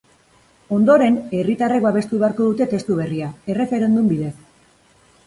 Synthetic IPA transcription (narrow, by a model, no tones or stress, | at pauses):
o̞nd̪o̞ɾe̞ne̞rit̪arakbaβ̞e̞st̪uβe̞aɾko̞ðut̪e̞t̪e̞st̪uβ̞e̞riae̞re̞fe̞ɾe̞nd̪umbiðe̞s